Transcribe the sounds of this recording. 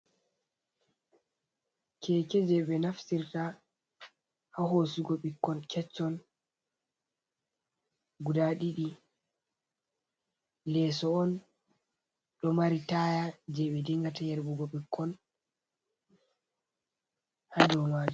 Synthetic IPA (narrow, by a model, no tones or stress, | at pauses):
kʰɛːkɛd͡ʒɛɓɛnafsiɾta | haɦosiɡoɓikːɔnkʰɛt͡ʃːɔn | ɡudaɗiɗi | lɛsɔɔn | ɗɔmaɾitajad͡ʒɛɓɛdiŋɡatajɛɾbuɡoɓikʰːɔn | hadɔwmaːd͡ʒu